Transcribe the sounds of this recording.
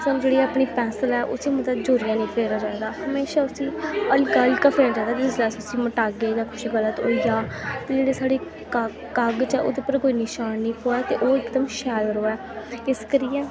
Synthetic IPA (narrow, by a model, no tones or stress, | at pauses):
sənũd͡ʒeːɽiːaːpɳiːpɛ̃ːsəlɛːʔʊ̰siːmət̪əd͡ʒoːɾɪjãːnĩːpʰeːɾaːd͡ʒaːd̪aːhəmeːʃaːʊsĩːəlkaːlkapʰeːnaːd͡ʒãːd̪aːt̪eʊslɛːsʊsĩːməʈaːɡeːd͡ʒãːkʰʊʃiːɡələt̪o̰ːijaːt̪eːd͡ʒeːɽeːsaːɽeː | k | kəɡt͡ʃɛːʔo̰ːd̪eːpəɾkoːiːnɪʃaːnːĩːpoːɛːt̪ḛːʔoːɪkd̪əmʃɛːlɾoːɛː | ɪskəɾɪjɛ̃ː